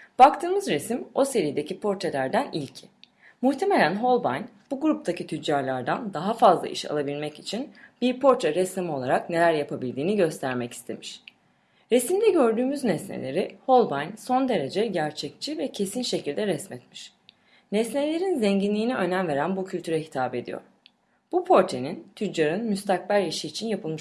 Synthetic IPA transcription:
b̥ak̚t̪ʰɯːmɯzɾesimo̞se̞ɾijed̪e̞cʰipʰo̞ɾt̪ʰe̞lʲæɾd̪ænḭlʲcʰɪ̥ | muht̪ʰeme̞lʲænɦo̞lˠbajnb̥uɡɾup̚t̪ʰacit̪ʰyd͡ʒːaɾlʲˠaɾd̪and̪aɦafazlˠa̰ʔḭʃa̰lˠabilʲmɛci̥t͡ʃʰinb̥iɾpʰo̞ɾt̪ʰɛɾɛsamio̞lˠaɾakne̞lʲæɾjapʰabilʲd̪iːniɟø̞st̪ʰæɾmɛci̥st̪ʰe̞̰miʃ | ɾesimd̪ɛɟø̞ɾd̪yːmyznɛsnḛlʲe̞ɾiho̞lˠbajnso̞nd̪e̞ɾe̞d͡ʒɛɟæɾt͡ʃʰɛc̚t͡ʃʰivɛcʰe̞sinʃe̞cʰilʲd̪ɛɾɛsmɛt̪miʃ | nɛsnelʲe̞ɾinzɛɲɟinlʲiːnɛø̞nænve̞ɾænbucʰylʲt̪ʰyɾɛɦi̥t̪ʰaːbe̞d̪ḭjo̰ɾ̥ | b̥upʰo̞ɾt̪ʰenint̪ʰyd͡ʒːaɾɯnmyst̪ʰak̚bælʲiʃiːt͡ʃʰinjapʰɯlˠmɯʃ

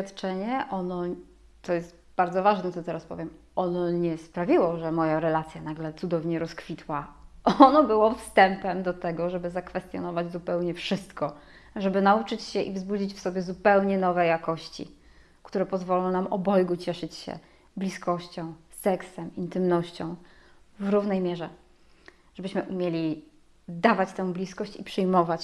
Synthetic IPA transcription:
at̪t͡ʂɛɲɛʔɔnɔ | t̪ɔjɛst̪ | baɾd̪zɔvaʐnɛt̪sɔt̪ɛɾaspɔ̰vʲjɛm | ɔnɔɲɛspɾavʲiwɔʐɛmɔjaɾɛlat̪sʲjanaɡlɛt̪sud̪ɔvɲɛɾɔskfʲit̪waʔɔnɔbɘwɔfst̪ɛmpɛmd̪ɔt̪ɛɡɔʐɛbɘzakfɛst̪jɔnɔvad͡ʑzupɛwɲɛfʂɘst̪kɔ | ʐɛbɘnaut͡ʂɘt͡ɕɕɛʔivzbud͡ʑit͡ɕfsɔbʲjɛzupɛwɲɛnɔvɛjakɔɕt͡ɕḭ | kt̪uɾɛpɔzvɔlɔ̃w̃namɔbɔjɡut͡ɕɛʂɘt͡ɕɕɛ̰ | blʲiskɔɕt͡ɕɔ̃w̃sɛksɛmint̪ɘmnɔɕt͡ɕɔ̃w̃vɾuvnɛjmʲjɛʐɛ | ʐ̥ɛbɘɕmɘʔumʲjelʲi | d̪avat͡ɕt̪ɛw̃blʲiskɔɕt͡ɕipʂɘjmɔvat͡ɕ

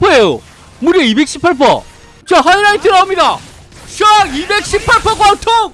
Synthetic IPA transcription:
pʰʌejo̰ | muɾjeibek̚ɕ͈ʰi̥pʰaɭpʰʌ̰ | t͡ɕʌɦaiɾaitʰɯɾaomɲida | ɕʰaibek̚ɕ͈ʰipʰaɭpʰʌkatʰo

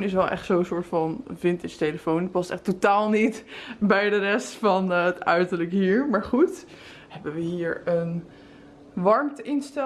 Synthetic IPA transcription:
nɪs̬ɛlˠʔɛ̰χtsownsʊːɹtfɑnfɪntɪstejləfownət̚pɑstɛχtotaːlˠnitbɛjdərɛstfɑnətœ̰ɥtəɹləkɦiːɹmaːɹχut | hɛbəʋəɦiːɹən | ʋɑɹmtəɪnstɛ

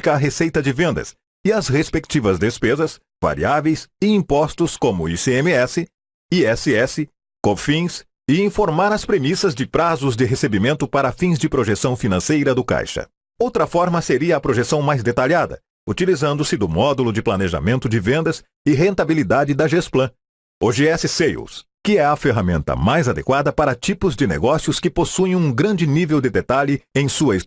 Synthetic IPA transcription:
kɐːɦesejt̪ɐd͡ʒɪvẽnd̪ɐ̰s | ɪɐshespek̚t͡ʃivɐzd̪espezɐs | va̰ɾḭavejsɪĩpɔst̪ʊskõmʊ̰iseẽmɪɛsɪ | iɛsɪɛsɪ | kõfĩs | ɪĩfoɾmaɾɐspɾemisɐzd͡ʒɪpɾazʊzd͡ʒɪɦesebimẽnt̪ʊpaɾɐfĩzd͡ʒɪpɾoʒesɐ̃w̃finɐ̃sejɾɐd̪ʊka̰jʃɐ̰ | owt̪ɾɐfɔɾmɐseɾiɐːpɾoʒesɐ̃w̃majzd̪et̪aʎad̪ɐ̰ | ut͡ʃilizɐ̃nd̪ʊsɪd̪ʊmɔd̪ulʊd͡ʒɪplɐneʒa̰mẽnt̪ʊd͡ʒɪvẽnd̪ɐs | ɪɦẽnt̪abilid̪ad͡ʒɪd̪ɐʒesplɐ̃ | oʒeɛsɪsejṵskɪɛɐfeɦamẽnt̪ɐ̰majzad̪ḛkwad̪ɐpaɾɐt͡ʃipʊzd͡ʒɪnḛɡɔsiʊskɪposuẽũɡɾɐ̃nd͡ʒɪnivewd̪d͡ʒɪd̪et̪aʎɪẽj̃suɐis

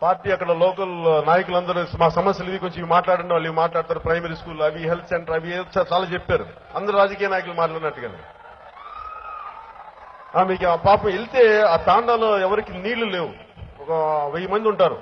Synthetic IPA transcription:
paːɾʈiːɐkːɐɽɐlɔːkɐlnaːjɐkulɐnd̪ɐɾumaːkɐsɐmɐsjɐliʋikoɲt͡ʃomiʋimaːʈlaːɽɐɳʈeʋɐːɭːiʋimaːʈlaːɽt̪aːɾupɾɐjmɐɾiːskuːlɐʋiɦelt̪ʰseɳʈɐɾɐʋit͡ʃat͡ʃaːlaːt͡ʃepːaːɾu | ɐnd̪ɐɾuɾaːd͡ʒɐkiːjɐnaːjɐkulumaːʈlaːɽinɐʈːuɡɐd̪ɐ̰ | aːmiːkpaːpɐmelit̪e̞ːaːt̪aːɳɖaːloːɛʋɐɾikiniːɽlːuleːʋu | ɔkɐʋejɐmɐnd̪iuɳʈaːɾṵ

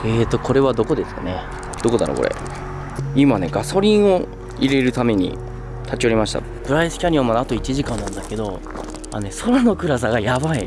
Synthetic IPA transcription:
e̞ːt̪ːo̞ko̞ɾe̞β̞ad̪o̞ko̞d̪e̞sɨ̥kane | d̪̥o̞ko̞d̪aɾo̰koɾḛ | imane̞ɡaso̞ɾʲĩɰ̃o̞ | iɾe̞ɾɯ̟t̪ame̞ɲ̟ḭ | t̪ʰat͡ɕio̞ɾʲimaɕi̥t̪a̰ | pɯ̟ɾaisɨ̥kʲaɲ̟ʲiomanat̪o̞it͡ɕiʑikãnːãnd̪ake̞d̪o̞ | a̰neso̞ɾano̞kɯ̟ɾas̬aɡajabai

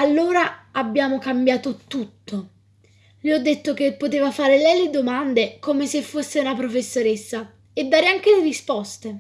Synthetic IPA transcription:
alːoːɾaabːjaːmokambjaːt̪ot̪ut̪ːo | liɔd̪ːet̪ːok̟epːot̪eːvafaːɾelɛjled̪omand̪ekomesefːosːeunapɾofesːoɾesːa | ed̪ːaːɾeaŋk̟eleɾispɔst̪e

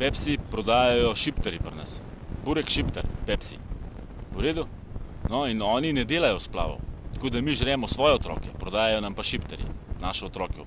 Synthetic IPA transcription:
pɛpsipɾɔd̪aːjajɔʃipt̪ɛɾipɾna̰s | buːɾɛkʃipt̪ɛ̰ɾpɛpsḭ | uɾeːd̪u | nɔinɔːninɛd̪eːlajɔspla̰ːʋɔ̰t̪ḁkoːd̪amiʒɾɛːmɔsʋɔːjɛɔt̪ɾɔ̰ːkɛpɾɔd̪aːjajɔnampaʃipt̪ɛɾḭnaːʃɛɔt̪ɾɔːkɛ

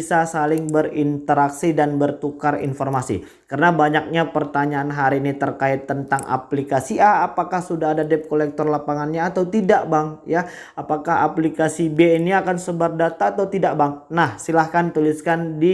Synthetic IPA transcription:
sasalɪŋbəɾint̪əɾaksidanbərt̪ukarḭnfɔrmasḭ | kəɾənabaɲak̚ɲapərt̪aɲaːnɦaɾiːnit̪ərkaɪt̪ːənt̪aŋʔa̰plikasiaːpakahsudaɦadadɛp̚kolɛk̚t̪ɔrlapaŋanɲaːt̪awt̪idaʔbaŋja | apakaɦa̰plikasibeːniakansəbardat̪aːt̪awt̪idaʔbaŋnahsilahkant̪ulɪskandi

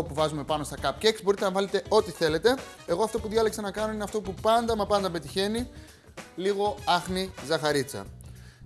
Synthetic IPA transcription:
opuvɐzume̞pɐno̞st̪ɐkɐpceeksbo̞ɾit̪enɐvɐle̞t̪e̞o̞t̪iθe̞le̞t̪e̞eɣo̞ɐft̪o̞puðʝɐleksenɐkɐnoineɐft̪o̞pupɐnd̪ɐmɐpɐnd̪ɐbe̞t̪içe̞ni | liɣo̞ɐxnizɐxɐɾit͡sɐ̰

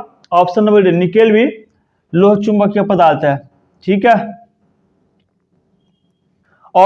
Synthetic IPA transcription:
ɔːfsənːəbəɖenɪkeːlbi | loːɦt͡ʃʊmbakjapəd̪aːlt̪ɦɛː | ʈʰiːkɦɛː | ɔː

